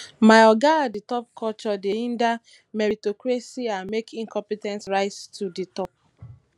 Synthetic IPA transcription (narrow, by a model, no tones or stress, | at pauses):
maɪɔɡaditɔp̚kʰɔt͡ʃɔdeĩnda | mɛɹitɔkɹasiãnmekʰĩŋkɔ̃mpitɛ̃nsɹaɪstʰuditɔp̚